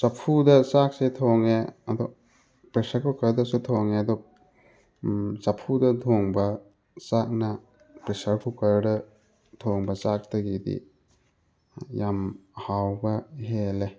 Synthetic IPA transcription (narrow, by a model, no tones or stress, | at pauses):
sɐpʰudɐsak̚setʰoŋeɐdɔ | pɾesɐɾkʰukɐɾdɐsutʰoŋeɐdɔ | sɐpʰudɐdʰʱoŋbɐ | t͡ʃak̚nɐ | pɾesɐɾkʰukɐɾdɐ | tʰoŋbɐt͡ʃak̚tɐɡidḭ | jamhawbɐɦele